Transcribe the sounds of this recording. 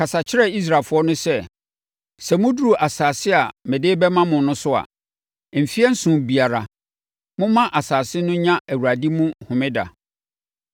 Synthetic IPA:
kʰa˨sa˨t͡ɕʰɪ˦ɾɛ˨i˦s̬ɾaː˨lfʊ˦ɔ˦nʊ̃˦sɛ˦ | sɛ˨mʊ̃˦du˦u˨ʔa˨saː˨sɪ˦a˨mɪ̃˨dɪː˦bɛ˦mã˦mʊ̃˨˦nʊ̃˦sʊ˦a̰˨ | m̩˨fi˦ɛ˦n̩˦sũ˨bi˨a˨ɾa˨ | mʊ̃˦mã˦ʔa˨saː˨sɪ˦nʊ̃˦ɲã˦ʔæ˨wu˨ɾa˨di˦mũ˦hʊ̃˨mɪ̃˦da̰˨

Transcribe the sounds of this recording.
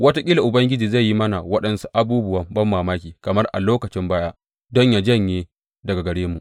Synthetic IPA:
wɐ˦ta˦kʲʼiː˦la˨ʔʊ˨bɐ˦ŋɡʲɪ˦d͡ʒiː˨za˦˨ji˦mɐ˦na˨wɐ˦ɗɐ˦nsu̥˦ʔa˨buː˦bʊ˦wɐ˦mbɐ˦mːaː˨maː˦kʲiː˨kɐ˨mɐ˦rʔa̰˨loː˦kɐ˨t͡ʃɪ˦mbaː˦jaː˦ | dɔ˦ɲjaː˨d͡ʒɐ˦˨ɲjeː˦ | dɐ˨ɡa˨ɡɐ˨ɽeː˦mu˨ʔ

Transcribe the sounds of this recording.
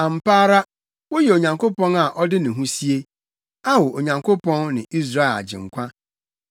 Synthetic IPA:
ã˨m̩˨paː˦ɾa˦ | wo˦jɛ˨o˨ɲã˨ŋkʰo˦pɔ̃˦na˨ʔɔ˦dɪ˦nɪ̃˨ɦũ˦si˦e˦ | a˦wɔ˨o˨ɲã˨ŋkʰo˦pʰɔ̃˦nːɪ̃˨ʔi˦s̬ɾa˦ɛ˨la̰˨d͡ʑɪ̰̃˨ŋ̩˨kʷʰã˦

